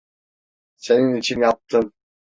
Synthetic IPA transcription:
seninit͡ʃʰinjɑp̚t̪ɯm

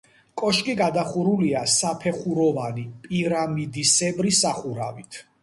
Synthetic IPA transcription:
kʼɔʃkʼiɡad̪aχuɾuliasapʰɛχuɾɔvanipʼiɾamid̪isɛbɾisaχuɾa̰vit̪ʰ

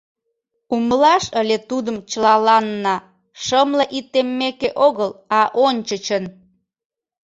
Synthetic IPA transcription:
uməlɑʃəlʲet̪ud̪əmt͡ɕəlɑlɑnːɑ | ʃəmləʔit̪ːemːekeʔoɣəlɑʔonʲt͡ɕət͡ɕən

